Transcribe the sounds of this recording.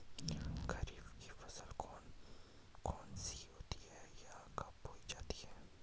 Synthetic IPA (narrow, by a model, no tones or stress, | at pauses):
kɐɾiːbki̥fɐsəl | kɔːnsiɦoːt̪iɦɛjakɐpɦoːid͡ʒaːt̪i̥ɦɛː